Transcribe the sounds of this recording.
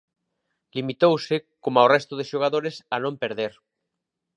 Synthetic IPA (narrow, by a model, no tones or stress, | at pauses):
limit̪owsekomaorɛst̪oð̞eʃoɣaðoɾesanõmpeɾðeɾ